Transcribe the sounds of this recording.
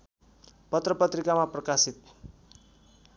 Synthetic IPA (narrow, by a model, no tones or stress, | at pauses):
pʌt̪rʌpʌt̪rikamaprʌkasit̪̚